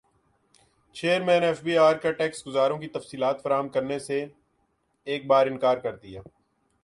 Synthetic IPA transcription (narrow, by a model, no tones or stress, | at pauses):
t͡ʃeːəɾmɛ̃ːnɛːfbiːaːɾkaʈɛːksɡʊzaːɾõkit̪ɐfsiːlaːt̪fɐɾaːɦəmkɐɾnese | eːk̚baːɾɪ̃nkaːɾkɐɾd̪ijaː